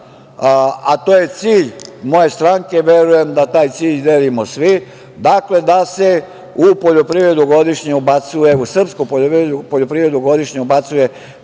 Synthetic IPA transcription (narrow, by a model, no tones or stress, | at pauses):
at̪o̞ːje̞t̪siːʎmo̞je̞st̪ɾaŋke̞ʋje̞ɾuje̞md̪at̪aːjt̪siːʎd̪e̞limosʋi | d̪akle̞d̪ase̞ | upo̞ʎo̞pɾivɾe̞d̪uɡo̞d̪iʃɲeubat̪sujeusr̩pskopoieupoʎopɾiʋɾe̞d̪uɡo̞d̪iʃɲeubat̪suje̞